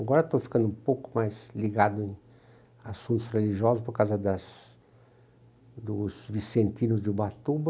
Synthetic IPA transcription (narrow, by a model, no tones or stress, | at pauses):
aɡɔɾɐt̪wfi̥kɐ̃nd̪ʊũpowkʊ̥majzliɡad̪ʊẽ | asũnt̪ʊsreliʒiɔzʊspoɾkawzɐd̪ɐs | d̪ʊzvisẽnt̪inʊzd͡ʒɪbat̪ubɐ